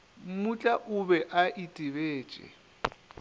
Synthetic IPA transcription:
m̩mut͡ɬʼaʔʊbɛʔaʔitʼiβeːt͡ʃʼɛ̰

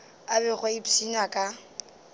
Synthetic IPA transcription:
abɛχwaipinakʼa

